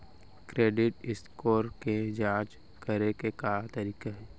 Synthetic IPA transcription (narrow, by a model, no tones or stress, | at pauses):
kɾeːɖɪʈɪskoːɾked͡ʒaːd͡ʒ | kɐɾekekaːt̪ɐɾiːkaɦɛː